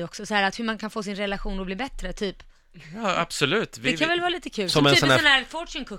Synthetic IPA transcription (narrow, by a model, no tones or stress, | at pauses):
ɔksɔsɔhæːɾat̪hɵmankʰanfoːsɪnɾɛlaɧuːnɾɔbliːbɛt̪ɾət̪ʰyːp | ɑːa̰b̥sɔlʉ̟ːt̪vɛkkanvɛlvɑːɾliːt̪əkʰʉ̟ːlsɔmɛnːsɔnæɔnæːɾfɔʂɪnkʰɵ